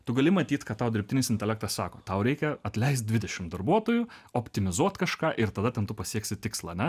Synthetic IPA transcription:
t̪ʊɡɐlʲɪmɐt̪ʲiːt̪kɐtt̪ɑʊd̪ʲɾɪpʲt̪ʲɪnʲɪsɪnt̪ʲɛlʲæk̚t̪ɐssɑːkoːt̪ɐʊɾʲɛɪkʲɛɐt̪ʲlʲɛɪs̬t̪̚d̪ʲʋʲɪd̪ʲɛʃʲɪmd̪ɐrbuɔt̪oːjʊoːpʲt̪ʲɪmʲɪzuɔt̪kɐʃkɑːʔɪɾt̪ɐd̪ɐt̪ʲɛnt̪ʊpɐsʲiɛksʲɪt̪ʲɪkslˠɐːɐnʲɛ

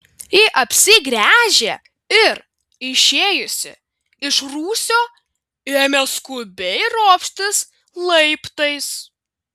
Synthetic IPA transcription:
ɪʔɐpʲsʲɪɡɾʲæːʒʲe | ɪɾ | ɪʃʲeːjʊsʲɪ̰ | ɪʃɾuːsʲoː | eːmʲɛskʊbʲɛɪɾoːpʲʃʲt̪ʲɪs | lˠɐɪpt̪ɐɪs

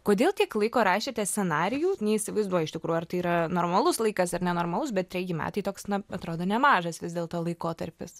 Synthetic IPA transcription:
koːd̪ʲeːlˠt̪ʲiɛklˠɐɪkoːɾɑːʃʲet̪ʲɛsʲt͡sʲɛnɑːɾʲɪjuːnʲɛisʲɪʋɐɪzd̪uɔjɛɪʃt̪ʲɪkɾuːjuɐrt̪ɐɪiːɾɐnoːrmɐlˠʊslˠɐɪkɐsɐrnʲɛnoːrmɐlˠʊs̬bʲɛt̪̚t̪ʲɾʲɛjjɪmʲæ̰ːt̪ɐɪt̪oːksnɐɐt̪ɾoːd̪oːnʲɛmɑːʒɐsʋʲɪzd̪ʲeːlˠt̪oːlˠɐɪkoːt̪ɐɾʲpʲɪs

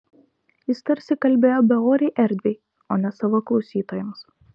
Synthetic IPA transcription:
jɪst̪ɐɾʲsʲɪkɐlʲbʲeːjoːbʲɛoːɾʲeɪʔɛɾʲd̪ʲʋʲeɪ | oːnʲɛsɑʋoːklˠɒʊsʲiːt̪oːjɛms

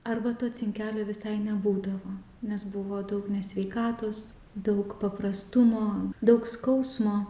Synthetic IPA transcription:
ɐrbɐt̪ot̪sʲɪŋʲkʲæːlʲoʋʲɪsɐɪnʲɛbuːd̪ɐʋoː | nʲɛsbʊʋoːd̪ɐʊknʲɛsʲʋʲɛɪkɑːt̪oːs | d̪ɐʊkpɐpɾɐst̪ʊmoːd̪ɐʊkskɐʊsmoː

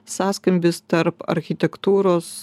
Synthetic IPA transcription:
saːskɐmʲbʲɪst̪ɐɾpɐ̰ɾʲxʲit̪ʲɛkt̪uːɾoːs

